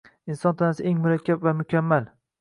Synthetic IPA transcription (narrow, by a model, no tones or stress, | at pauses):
ɪnsɒnt̪ʰanasɪʔeŋmʊɾakʲʰːapvamʊkʲʰamːal